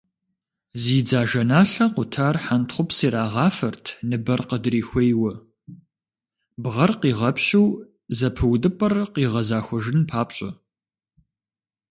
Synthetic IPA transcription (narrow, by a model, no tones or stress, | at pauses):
ziːd͡zaːʒɐnaːɬɐqʷʊtʰaːrħantχʷʊpsiːɾaːʁɑːfɐrtʰnɨbɐrqədriːxʷejwɐ | bʁɐrqiːʁɐpɕɪw | zɐpʰɨwdɨpʼɐrqiːʁɐzaːxʷɔʒɪnpʰaːpɕʼɐ̰